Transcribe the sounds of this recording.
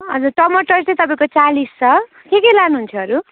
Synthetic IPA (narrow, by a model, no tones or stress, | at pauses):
ʌd͡zurʈʌmʌʈʌrsejt̪ʌpaĩkot͡salist͡sʰʌ | kekʌjlanuɦunt͡sʰʌʌɾu